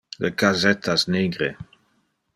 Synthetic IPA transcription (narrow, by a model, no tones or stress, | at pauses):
ləkazɛt̪ʰasneːɡɾe